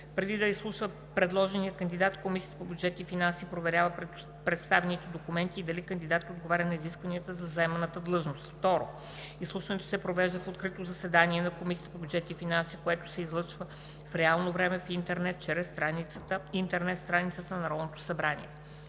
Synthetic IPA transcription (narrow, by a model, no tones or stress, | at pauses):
pɾɛd̪id̪ɐislˠuʃvə | pɾɛd̪lˠɔʒɛniəkənd̪id̪at̪komisiət̪əpobjud͡ʒɛt̪ifinansipɾovɛɾʲjavə | pɾɛt̪st̪avɛnit̪ɛd̪okumɛnt̪iːd̪ɐlikɐnd̪id̪at̪ːod̪ɡovaɾʲənɐiziskvɐniət̪əzɐzɐɛmɛnət̪əd̪lˠɤʒnost̪ft̪ɔɾo̰ | islˠuʃvɐnɛt̪o̥sɛpɾovɛʒd̪əfot̪kɾit̪ozɐsɛd̪aniɛnɐkomisiət̪əpobʲjud͡ʒɛt̪ifinansikoɛt̪o̥sɛizlˠɤt͡ʃvə | fɾɛalˠnovɾɛmɛfint̪ɛɾnɛt̪t͡ʃɛɾɛst̪ɾaniət̪əint̪ɛɾnɛt̪st̪ɾanit̪sət̪ənɐɾɔlˠnot̪o̥sɐbɾanḭɛ